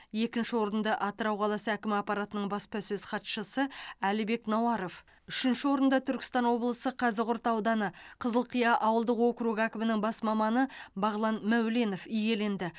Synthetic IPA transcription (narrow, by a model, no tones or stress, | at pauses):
je̞kʲɪnʃɪwo̞ɾənd̪ɑʔɑt̪əɾɑwqʰɑlˠɑsəækʲɪmɑpːɑɾɑt̪ənəɴbɑspɑsɵzχɑt̪ʃəsəælɪbe̞knɑwɑɾo̞f | ʏʃɪnʃɪwo̞ɾənd̪ɑt̪ʰʏɾkʲɪ̥st̪ɑnwo̞blˠəsəqʰɑzɪqʊɾt̪ɑwd̪ɑnəqʰəzəlˠqʰijɑʔɑwəlˠd̪əqwo̞kɾuɡækʲɪmɪnɪŋbɑsmɑmɑnəbɑʁlˠɑnmæwle̞no̞fije̞le̞nd̪ɪ